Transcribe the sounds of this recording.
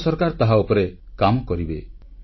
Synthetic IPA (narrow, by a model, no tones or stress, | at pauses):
sɔɾkaɾɔt̪aɦaupɔɾekamɔkɔɾibe